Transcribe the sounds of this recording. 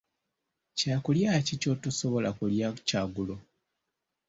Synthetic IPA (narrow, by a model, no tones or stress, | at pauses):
caːkuljacico̞tuso̞βo̞lakuljacaːɡulo